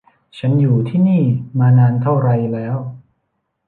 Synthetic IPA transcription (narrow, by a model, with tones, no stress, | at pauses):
t͡ɕʰa˦˥njuː˨˩t̪ʰiː˥˩niː˥˩maː˧naː˧nt̪ʰa˥˩wɾa˧jlɛː˦˥w